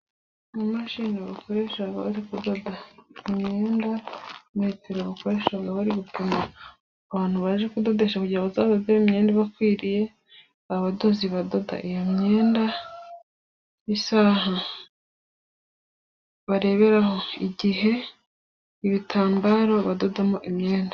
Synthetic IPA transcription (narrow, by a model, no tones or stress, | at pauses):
mumaʃiːnaβako̞ɾe̞ːʃaɡa̰βaɾikudo̞daimɲe̞ːndamaiteɾaβako̞ɾe̞ːʃaɡaβaɾiβituma | aβaːn̥huβaʒekudo̞de̞ʃakuɟiɾaβazaβdodeβimɲeːndeβakwiːɾije̞ | aβado̞ziβado̞da̰ʔijomɲe̞ːnda | isaɦa | βaɾe̞βe̞ɾaho̞iɟiɦe̞ | iβitʰaːmbaːɾo̞βado̞damoʔimɲeːnda